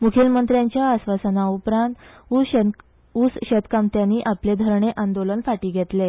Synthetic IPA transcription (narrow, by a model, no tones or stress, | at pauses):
mukʰilmənt̪ɾjaɲt͡ɕjaːsʋasənaupɾãnt̪ | usɕet̪kamt̪janːiːʔapled̪ʱəɾɳeʔand̪olənfaʈiːɡʱet̪le